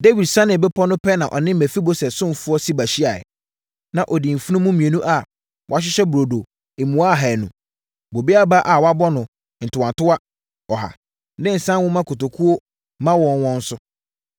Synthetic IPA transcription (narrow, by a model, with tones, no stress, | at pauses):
de˦wi˨dsã˦nɪ̃˨bɛ˦pʰɔ˦nʊ̃˦pʰɛ˦nã˨ʔɔ̰˨nɪ̃˦m̩˦æ̃˨fi˦bo˦sɛ˨sʊ̃˦˨fʊ˦ɔ˦si˦ba˨ɕi˦a˨ɛ̰˨ | nã˨ʔɔ˨di˨m̩˨fu˦nʊ̃˦mũ˦mĩ˨e˨nũ˦ʔa˦˨ | wʔa˨ɕ̬ᶣɪ˦ɕɛ˦bɾo˨do˨ | e˨mũ˨a˦˨ɦa˨nṵ̃˨ | bo˨bi˦a˦ba˦ʔa˨wɔ˨˦a˦bɔ˦nʊ̃˨ | n̩˨tʰʊ˨wã˨ntʊ˦a˦ | ɔ˨ɦa̰˨ | nɪ̃˦n̩˨sã˦wʊ̃˦mã˦kʰʊ˨to˨kʰu˦o˦ | mã˦wɔ̃˦nwɔ̃˦n̩˦sʊ˦